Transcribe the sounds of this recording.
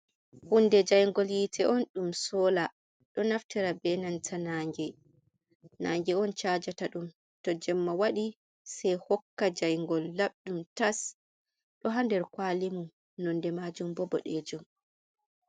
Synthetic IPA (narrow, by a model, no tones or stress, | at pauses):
hundɛd͡ʒajŋɡɔljitʰɛʔɔnɗumsɔːla | ɗɔnaftɛɾabɛnantʰanaːŋɡɛ | naːŋɡɛɔnt͡ʃad͡ʒataɗum | tɔd͡ʒɛmːawaɗi | sɛjhɔkːad͡ʒajŋɡɔlːaɓɗumtas | ɗɔɦandɛɾkwalimu | nɔndɛmad͡ʒumbɔbɔ̰ɗɛd͡ʒum